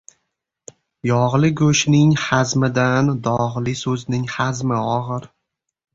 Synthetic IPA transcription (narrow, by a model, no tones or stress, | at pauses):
jɒʁlˠɪɡɵʃnɪŋhazmɪd̪and̪ɒʁlɪsɵznɪŋhazmɪɒʁɨɾ